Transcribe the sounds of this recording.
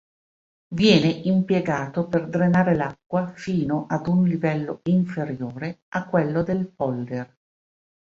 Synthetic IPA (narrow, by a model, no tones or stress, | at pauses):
vjɛːneʔimpjeɡaːt̪operd̪ɾenaːɾelakːwafiːnoʔad̪unlivɛlːo̰iɱfeɾjoːɾeakːwelːod̪elpɔld̪er